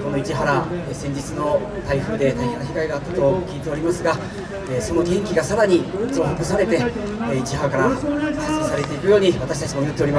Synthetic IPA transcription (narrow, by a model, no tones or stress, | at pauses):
ko̞no̞it͡ɕiɦaɾasẽ̞ɲ̟d͡ʑit͡sɨno̞ | t̪aiɸɯ̟ːd̪e̞t̪aihaɾaçiɡaiɡaːt̪ːat̪o̞kʲiːt̪e̞o̞ɾʲimasɨɡa | eːso̞no̞kẽ̞ŋkʲiɡasaɾaɲ̟izo̞ːɦokɯ̟saɾe̞t̪e̞it͡ɕiɦaɾakaɾaaskisaɾe̞t̪e̞ikɯ̟jo̞ːɲ̟iβat̪aɕi̥t̪at͡ɕimo̞jɯt̪ːeɾʲima